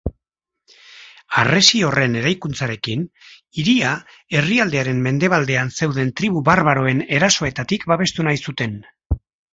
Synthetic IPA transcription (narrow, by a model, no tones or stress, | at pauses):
are̞sio̞re̞ne̞ɾajkunt͡saɾe̞kin | iɾia | e̞riald̪e̞aɾe̞mme̞nd̪e̞β̞ald̪e̞anse̞wðe̞nt̪ɾiβ̞uβaɾβaɾo̞e̞ne̞ɾaso̞e̞t̪at̪ikbaβe̞st̪unajsut̪e̞n